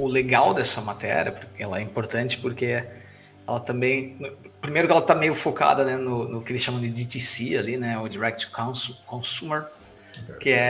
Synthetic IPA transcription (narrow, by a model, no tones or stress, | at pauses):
ʊleɡawd̪ɛsɐmat̪ɛ̰ɾiɐ̰poɾkɛ̰lɐɛĩpoɾt̪ɐ̃nt͡ʃɪ̥poɾke | ɛlɐt̪ɐ̃mbẽj̃nʊpɾimejɾʊkɪɛlɐt̪amejʊfoka̰d̪ɐnɛnʊnʊkɪelɪsʃɐ̃mɐ̃d͡ʒ̪ɪd͡ʒit̪isialinɛʊd͡ʒiɾɛk̚t͡ʃ̪ɪ̥kãskõsumeɾ | kɪɛ